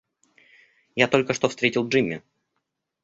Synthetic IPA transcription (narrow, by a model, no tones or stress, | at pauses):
jat̪o̞lʲkəʂt̪ofst̪ɾʲetʲɪlˠʐɨmʲːɪ̰